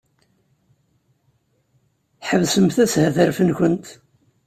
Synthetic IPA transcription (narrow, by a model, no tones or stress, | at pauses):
ħəvsəmθæshəθəɾfənçənt̪